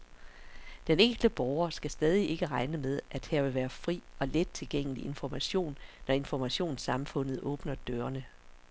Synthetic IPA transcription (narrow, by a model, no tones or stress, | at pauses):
d̥eneŋ̰ɡ̥ld̥əb̥ɒʊɐsɡ̥æsd̥ɛːð̞ˠiʔe̝ɡ̥əʁɑ̈ɪnəmeð̞ˠʔæd̥hæɐʋe̝ʋæːɐfʁḭːɒ̽led̥̚t͡sʰe̝lɡ̥eŋ̰əliʔe̝nfɒmæɕo̝̰ːnːɒe̝nfɒmæɕo̝̰ːnsɑ̈mfɔ̽n̰ð̩ˠʔɔ̽ːb̥nɐd̥øːɐnə